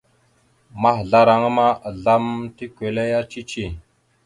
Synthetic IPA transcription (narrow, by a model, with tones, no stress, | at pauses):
ma˦ɦɮa˦ɾa˨ŋ˦ma˦˨ɮa˦mti˦kʷe˨le˦ja˦t͡ʃi˦t͡ʃi˦˨